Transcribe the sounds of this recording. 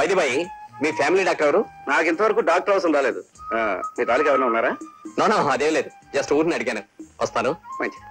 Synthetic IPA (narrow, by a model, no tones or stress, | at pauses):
ʋɐjd̪ibɐjimiːpʰaːmiliːɖaːk̚ʈɐɾɐɾunaːkint̪ɐʋɐɾɐkuːɖaːk̚ʈɐwsund̪aːleːd̪uamiːt̪aːlikɛʋɐnaːunːaːɾaːnoːnaːɐd̪eːʋileːd̪u | d͡ʒɐsʈuːʈniɐɽiɡaːnuʔɐst̪aːnumɐɲt͡ʃi̥